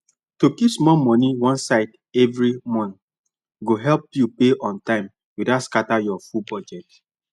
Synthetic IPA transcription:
tokipsmɔmɔ̃niwɔ̃nsaɪd | ɛvɹimɔ̃n | ɡoɦɛlpjupeʔɔ̃ntãɪ̃m | widatskatajɔfubɔd͡ʒɛt

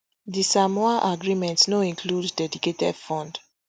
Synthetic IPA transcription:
disamɔaʔaɡɹimɛ̃ntsnoĩŋkʰludːɛdiketɛd̥fɔ̃nd

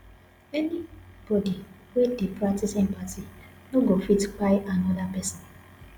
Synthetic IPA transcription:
ɛnib̥ɔdi | wedepɹak̚tisɛ̃mpati | noɡofitk͡pajanɔdapɛsɔ̃n

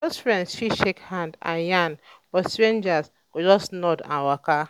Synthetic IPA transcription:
osfɾɛ̃ndsʃiʃekhãndã̰janbɔstɾẽnd͡ʒas | ɡ̥od͡ʒɔsnɔdã̰nwaka

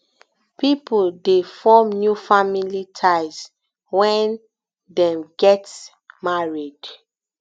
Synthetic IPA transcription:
pipuldefɔmnjufamilitʰaɪs | wɛ̃n | dɛ̃mɡɛt | maɹid̥

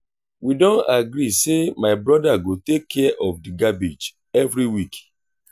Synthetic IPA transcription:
widɔ̃naɡɾisemaɪbɾɔdaɡotekʰːɛʔɔfdiɡabid͡ʒ | ɛvɾiwik

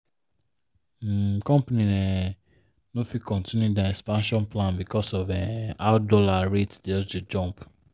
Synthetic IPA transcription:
kɔ̃mpanĩnɛ̃ | nofikɔ̃ntĩnjudãɛkspãnʃɔ̃nplãnbikɔsɔvɛ̃aʊdɔlaɹetdeded͡ʒɔ̃mp

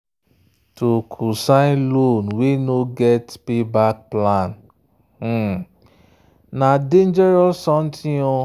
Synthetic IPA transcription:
tokʰusãnlonwenoɡɛtpibak̚plãn̩ | nadẽnd͡ʒɛɾɔsɔ̃n̩tʰĩo

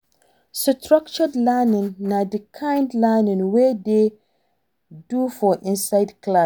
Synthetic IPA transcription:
stʰɹak̚t͡ʃɔdlɛnĩŋnadikʰãjndlɛnĩŋwede | dufɔʔĩnsajdkla

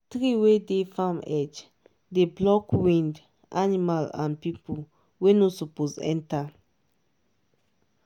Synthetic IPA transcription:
tɹiwedefãmɛd͡ʒ | deblɔkwĩnd | ʔanimalã̰npipul | wenosɔpozɛ̰̃nta

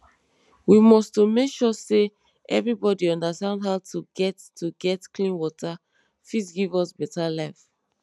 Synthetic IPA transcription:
wimɔstomekʃɔse | ʔɛ̰vɹibɔdiɔ̃ndastãndɦaʊtʰuɡɛtːʰuɡɛtklĩnwɔta | fitɡivɔsbɛtalaɪf

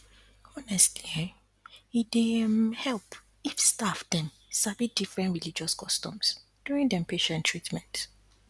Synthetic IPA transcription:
ɔnɛstli | idemhɛlp | ifstafdɛ̃n | sabit̚difɹɛ̃ntɹilid͡ʒɔskʰɔstɔ̰̃ms | d̥juɹĩŋdɛ̃mpeʃɛ̃ntʰːɹitmɛ̃nt

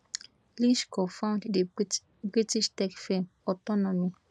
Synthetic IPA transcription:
liʃkofãw̃ndde | bɾitiʃtɛkfem | ɔtɔnɔmi

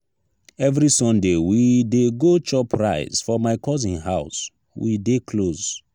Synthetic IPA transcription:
ɛvɹisɔ̃ndewideɡot͡ʃɔpɹaɪz̥fɔmaɪkɔz̬ĩnɦaʊs | wḭdekʰloz

